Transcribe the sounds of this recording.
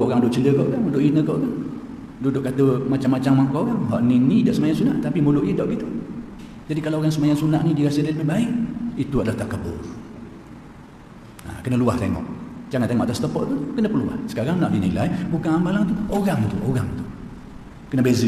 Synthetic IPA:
koʔoɣaŋdʊʔt͡ʃələkoʔkanudʊʔinəkoʔkan | dudʊʔkat̪əmat͡ʃamːat͡ʃaŋmaŋkoʔkaŋɦɔʔninidaʔsəmajaŋsunaʔt̪apimolʊʔjədaʔɡit̪u | d͡ʒadikalaoɣaŋsəmajaŋsunaʔnidiəɾasədaləbɪhbaɪʔit̪uadalaht̪akəbə̰l | a̰kənəluaht̪ḛŋɔ̰ʔd͡ʒaŋant̪eŋɔʔat̪ast̪əpɔʔt̪ukənəpərlua̰hsə̥kaɾaŋnaʔdinḭla̰jbukaŋambalaŋt̪uoɣaŋt̪ṵʔoɣaŋt̪u̥ | kənəbezə

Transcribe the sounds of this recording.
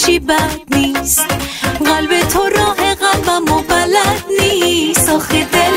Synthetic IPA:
ʃibad̪nisɣalbɛt̪ʰoɾɔɦɛɣalbamobalad̪nisɔχɛd̪ɛ

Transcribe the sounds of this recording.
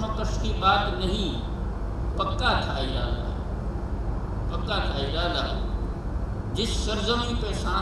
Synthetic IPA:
okəskiɓaːt̪nɐɦĩ | pɐkat̪ʰaːiɾaːla̰ː | pɐkat̪ʰaːiɾaːlaː | d͡ʑɪsːɐɾzəmipɛːsã

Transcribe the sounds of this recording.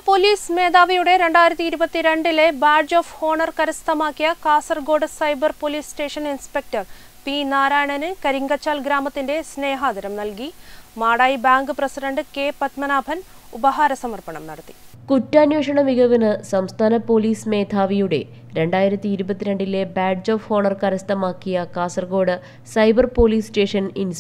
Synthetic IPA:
po̞liːsme̞ːd̪ʱaːʋɐjuɽe̞ɾe̞ɳɖaːjiɾɐt̪ːiːɾubɐt̪ːiɾe̞ɳɖile̞baːd͡ʑoːfoːɳɐrkɐɾɐst̪ʰɐmaːkːijɐkaːsɐrɡo̞ːɖɨsɐjbɐrpoːliːsʈe̞ːʂɐninspek̚tɐr | pinaːɾaːjɳɐnɨkɐɾiŋɡɐt͡ɕːaːlɡɾaːmɐt̪ːinde̞sne̞ːɦaːd̪ɐɾɐmnɐlkimaːɽaːjbaːŋɡɨprɐsiɖɐɳɖɨke̞ːpɐt̪mɐnaːbʱɐn | ubɐɦaːɾɐsɐmɐrpɐɳɐ̰mnɐ̰ɽɐt̪ːi̥ | kutːaːnjoːʂɐɳɐʋiɡɐʋinɨsɐmst̪ʰaːnɐpoːliːsme̞ːd̪ʰʱaːʋijuɽe̞̰ | ɾe̞ɳɖaːjiɾɐt̪ːiːɾubɐt̪ːiɾe̞ɳɖile̞baːɖd͡ʑoːfoːɳɐrkɐɾɐst̪ɐmaːkːijɐkaːsɐrɡo̞ːɽɨ | sɐjbɐrpo̞ːliːsʈe̞ːʂɐnins

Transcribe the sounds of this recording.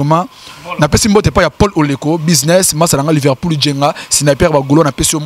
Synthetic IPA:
mãnapesimbot̬pajapɔlolekobiznɛsmasalaŋɡalivɛʁpuld͡ʒeŋɡasinapɛʁbaɡolonapesiom

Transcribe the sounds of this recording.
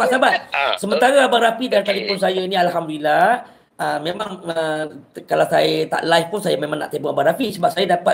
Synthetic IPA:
asabat̪̚səmənt̪aɾaabaɾafidalt̪alikʊnsajainĩalɦamdulila | əmemãŋəkalawsa̰jat̪a̰ʔlaifpʊnsajamẽmãŋna̰ʔt̪epuŋabaʔɾafisəbap̚sajadapa

